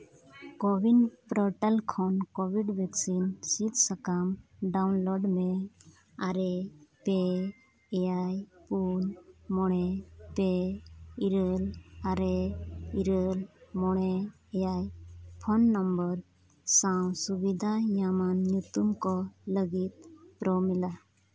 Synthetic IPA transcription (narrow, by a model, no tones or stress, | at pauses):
kɔbinpɾɔʈɛlkʰɔnkɔbiɖbɛksinsit̪sakamɖawnlɔɖme | aɾɛpeː | jajpunmɔɽ̃ɛpe | iɾəlaɾeiɾəlmɔɽ̃ɛ | ɛjajpʰɔnːɔmbəɾ | sãw̃subid̪ʱajamanːjut̪umkɔləɡit̪̚pɾɔmila